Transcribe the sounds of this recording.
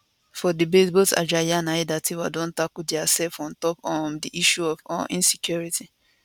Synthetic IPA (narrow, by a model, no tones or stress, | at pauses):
fɔdibesbota̰d͡ʒajanaidatiwadõntakudiasɛlfɔ̃ntɔpɔmdiʔiʃuɔfɔ̰ʔḭ̃nsikjuɹitʰi